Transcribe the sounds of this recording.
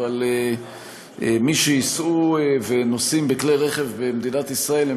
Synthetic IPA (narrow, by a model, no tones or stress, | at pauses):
ale | miʃejisʔuvenosimbeklejʁeχevbemd̪inat̪isʁae̞le